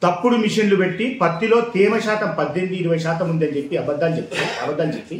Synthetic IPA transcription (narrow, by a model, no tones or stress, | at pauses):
t̪ɐpːuɽumiʂɐnlupeʈːipɐt̪ːilo̞ːt̪iːmɐʃaːt̪ɐmpɐd̪ːe̞ɳɖiːɽuʋɐjɐʃ̬aːt̪ɐmund̪ɐnid͡ʒe̞pːiɐbɐd̪ːaːlt͡ʃept̪ːinɐbɐd̪ːaːlt͡ʃepːi